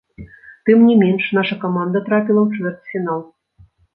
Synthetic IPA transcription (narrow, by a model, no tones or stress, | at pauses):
t̪ɨmnʲimʲenʲʂnɑʂəkɐmɑnd̪ət̪ɾɑpʲilˠəmt͡ʃvʲert̪fʲinɑlˠ